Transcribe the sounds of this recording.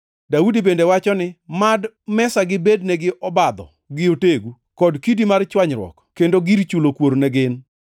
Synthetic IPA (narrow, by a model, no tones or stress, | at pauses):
daudibendewat͡ʃɔnɪmad | mɛsaɡɪbednɛɡɪʔɔbad̪ɔ̰ | ɡɪoteɡu | kɔdkidimart͡ʃwaɲɾwɔ̰kkːendoɡiɾt͡ʃulokwoɾnɛɡɪn